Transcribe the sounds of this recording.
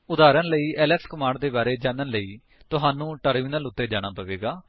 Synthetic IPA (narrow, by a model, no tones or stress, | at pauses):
ʊd̪aːɾənləiːɛːlɛːkskəmãːɳɖ̚d̪eːbaːɾeːd͡ʒãːnənləiː | t̪ʊɦaːnũːʈəɾmiːnəlʊt̪ːeːd͡ʒaːɽ̃aːpəʋḛːɡaː